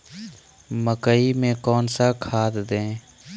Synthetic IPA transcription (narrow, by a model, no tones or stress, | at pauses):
məkəimẽkɔːnsakʰaːt̪d̪ẽː